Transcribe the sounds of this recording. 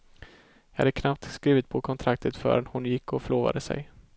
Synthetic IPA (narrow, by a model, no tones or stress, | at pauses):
jɑhad̪əkʰnap̚t̪skɾiːvɪt̪̚pʰɔkʰɔnt̪ʰɾak̚t̪ʰət̪fœ̰ːɾɛnhʊnjɪkːɔfœɭoːva̰d̪əsɛ̰j